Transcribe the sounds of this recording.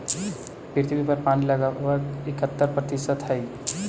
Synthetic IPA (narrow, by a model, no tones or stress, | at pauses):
piɾt̪ibipəɾpaːniləɡaʋəɡɪkət̪ːəɾpɾət̪iʃət̪ɦəi